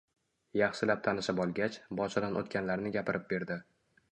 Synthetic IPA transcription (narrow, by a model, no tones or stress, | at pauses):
jɑχʃɪlap̚t̪ʰanɪʃabɒlˠɡʲat͡ʃbɒʃʰad̪anʔot̪kʲanlaɾnɪɡʲapɪɾʔɪp̚be̞ɾd̪ɪ